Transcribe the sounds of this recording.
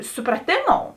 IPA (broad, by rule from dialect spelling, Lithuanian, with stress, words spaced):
sʊprɐˈtʲeːˌmoːʊ